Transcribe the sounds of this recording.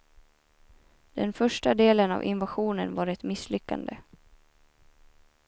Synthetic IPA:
d̪̥ɛnfœʂʈad̪eːləna̰vʔɪ̰nvaɧuːnənvaːɾɛt̪mɪslʏkːa̰nd̪ə

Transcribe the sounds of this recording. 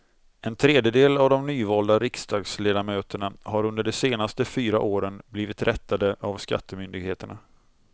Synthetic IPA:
ɛnt̪ʰɾeːd̪jəd̪eːlavd̪ɔmnyːvɑːld̪aɾɪkst̪ɑːɡsleːd̪amøːt̪əɳaɦaɾɵnd̪əɖɛseːnast̪əfyːɾaʔoːɾənbliːvɪt̪ɾʔɛt̪ʰːad̪əʔavska̰t̪ʰːəmʏnd̪ɪɡheːt̪əɳa

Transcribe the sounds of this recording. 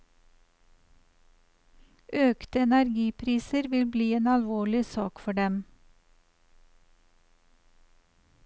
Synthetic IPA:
ʔøːkt̪əɛnæɾɡiːpʰɾiːsəɾʋɪlbliːeːnɑlʋoːɭɪsɑːkfɔɖɛm

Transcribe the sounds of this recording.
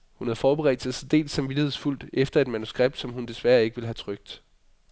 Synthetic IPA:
hunhæð̩ˠfɒːb̥eʁɛ̰ːd̥sɑsend̥e̝̰ːlsɑ̈mʋid̥ihe̝sful̰d̥efd̥ɐe̝d̥mænusɡ̥ʁɛb̥̚d̥sɒ̽mhund̥e̝sʋæɐe̝ɡ̥əʋe̝lɦæt͡sʰʁœɡ̥̚d̥

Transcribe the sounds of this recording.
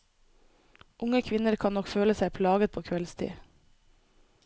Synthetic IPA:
ʔʊŋəkʰʋɪnəɾkʰɑnɔkføːləsæɪpʰlɑːɡət̪̚pʰoːkʰʋɛlst̪ʰḭː

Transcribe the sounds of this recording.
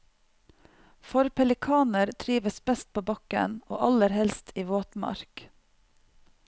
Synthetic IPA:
fɔɾpʰɛlɪkʰɑːnəɾt̪ʰɾiːʋəsbɛst̪̚pʰoːbɑkə̰no̰ːʔɑləɾhɛlst̪ʰiːʋoːt̪mɑ̰ɾk

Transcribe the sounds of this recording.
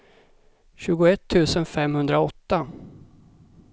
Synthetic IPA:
ɕʉ̟ːɡʊɛt̪ʰːʉ̟ːsənfɛmhɵnd̪ɾaɔt̪ːa

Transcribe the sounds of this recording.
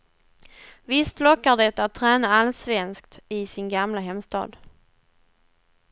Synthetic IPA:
vɪst̪lɔkːaɖɛt̪ːat̪ʰːɾɛːnaalsvɛnskt̪ɪsɪnɡamlaɦɛmst̪ɑ̰ːd̪

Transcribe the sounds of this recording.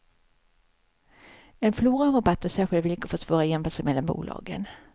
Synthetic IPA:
ɛnfluːɾaɾabat̪ːɔsæːɾɧɪlt̪vɪlkəft̪svɑːɾajɛmfasɛjmɛlːanbṵːlɑ̰ːɡə̰n

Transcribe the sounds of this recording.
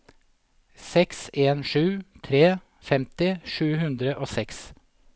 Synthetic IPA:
sɛkseːnʂʉːt̪ʰɾeː | fɛmt̪ɪʂʉːhʉnd̪ɾəʔoːsɛks

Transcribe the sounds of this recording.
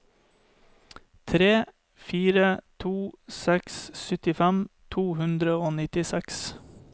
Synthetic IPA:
t̪ʰɾeː | fiːɾət̪ʰuːsɛkssʏt̪ɪfɛmt̪ʰuːhʉnd̪ɾəoːnɪt̪ɪsɛks

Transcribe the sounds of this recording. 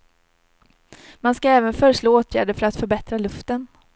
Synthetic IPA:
manskaɛːvənfœːɾəʂloːoːt̪ʰjæ̰ːɖəfœɾat̪fœɾbɛt̪ɾalɵft̪ən

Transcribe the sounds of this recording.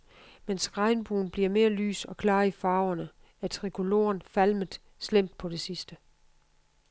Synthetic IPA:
mensɡ̥ʁɑ̈ɪnb̥uːn̩b̥liɐ̰me̝ːɐly̰ːsɒ̽kʰlɑ̈ːifɑ̈ːʊɐnə | æɐt͡sʰʁikʰo̝lo̝̰ːɐnfælməð̩ˠ | slem̰d̥̚pʰɒ̽d̥e̝sisd̥ə

